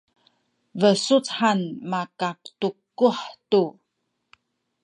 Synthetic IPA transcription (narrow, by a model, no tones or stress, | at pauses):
vəsut͡sħanmakak̚tukuħtu